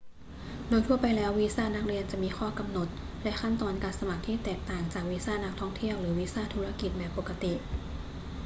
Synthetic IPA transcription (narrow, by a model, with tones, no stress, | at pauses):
doː˧jt̪ʰu˥˩ɐpa˧jlɛː˦˥wːiː˦˥saː˥˩na˦˥k̚ɾi˧ənt͡ɕa˨˩ʔmiː˧xʰɔː˥˩ka˧mno˨˩t̪̚ | lɛ˦˥kʰa˥˩nt̪ɔː˧nkaː˧nsa˧ma˨˩k̚t̪ʰiː˥˩t̪ɛː˨˩k̚t̪aː˨˩ŋt͡ɕaː˨˩k̚wiː˦˥saː˥˩na˦˥k̚t̪ʰɔ˥˩ŋt̪ʰi˥˩əwɾɯː˩˦wiː˦˥saː˥˩t̪ʰu˦˥ɾa˧ki˨˩t̪̚bɛː˨˩pːo˨˩kːa˧t̪i˨˩ʔ